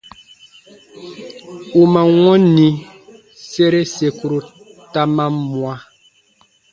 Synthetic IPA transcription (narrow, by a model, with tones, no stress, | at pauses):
u˨mã˨wɔ̃˦nĩ˨ | se˦ɾe˦se˨ku˨ɾo˨ | ta˦mã˦mwa˨